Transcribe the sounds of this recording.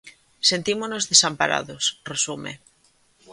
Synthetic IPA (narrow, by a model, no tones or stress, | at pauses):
sent̪imonozðesampaɾa̰ðosresumḛ